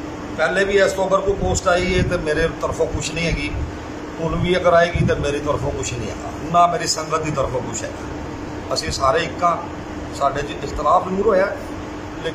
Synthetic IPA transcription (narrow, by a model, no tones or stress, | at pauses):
pɛːleːbiːɛːst̪oːəɡəɾkoːpoːsʈaːiːeːt̪eːmeːɾeːt̪əɾfʰõːkʊʃʰnĩːɦɛːɡiː | ʊnʋiːəɡəɾaːeːɡiːt̪eːmeːɾiːt̪əɾpʰõːkʊt͡ʃʰnĩːɦɛ̰ːɡa̰ːnãːmeːɾiːsəŋɡət̪̚d̪iːt̪əɾəpʰõːkʊt͡ʃʰɛ̰ːɡaː | əsĩːsaːɾeːɪkːãː | saːɖeːd͡ʒɪst̪əlaːpñːɾoːjaː | leː